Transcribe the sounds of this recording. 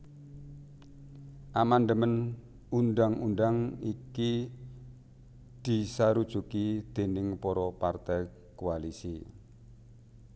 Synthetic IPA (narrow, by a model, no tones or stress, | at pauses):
ʔamand̪əmən | undaŋundaŋiki | d̪̥i̤saɾud̥ʒ̥ṳkid̪̥e̤nɪŋpɔɾɔpart̪ɛj | kualisḭ